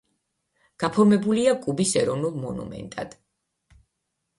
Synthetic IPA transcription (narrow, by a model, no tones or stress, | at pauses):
ɡ̥apʰɔɾmɛbuliakʼubisɛɾɔnulˠmɔnṵmɛ̰nt̪ʼa̰d̪̥